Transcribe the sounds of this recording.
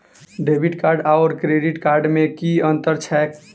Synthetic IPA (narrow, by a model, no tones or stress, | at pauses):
ɖebʱiʈkaɾɖaʊɾkɾeɖiʈkaɾɖmekiənt̪əɾt͡ʃʰɛek